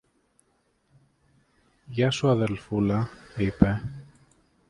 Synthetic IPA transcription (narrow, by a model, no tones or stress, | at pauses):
ʝɐsuɐðelfulɐipe